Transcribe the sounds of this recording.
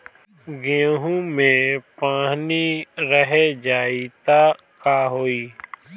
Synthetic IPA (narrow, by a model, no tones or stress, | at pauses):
ɡẽːɦũːmẽːpãːɦniːɾəɦeːd͡ʒaːiːt̪aː | kaːɦoːiː